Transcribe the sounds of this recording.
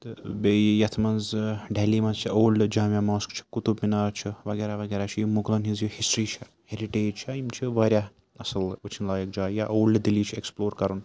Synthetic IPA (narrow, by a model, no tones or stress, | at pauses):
t̪ɨbejɐt̪ʰmɐnzɖʱeliːmɐ̃nzt͡ʃʰioːld͡ʒaːmjamoːskt͡ʃʰi̥kut̪ubminaːɾt͡ʃʰiʋɐɡeːɾaʋɐɡeːɾat͡ʃʰijimuɡlɐnɦizjuhisʈɾiːt͡ʃʰɐ | heɾiʈeːd͡ʒt͡ʃʰaimt͡ʃʰiʋɐːɾʲja | ɐslut͡ʃʰinlaːjɐkd͡ʒaːjaʔoːlʲd̪iliːt͡ʃʰeksploːɾkɐɾun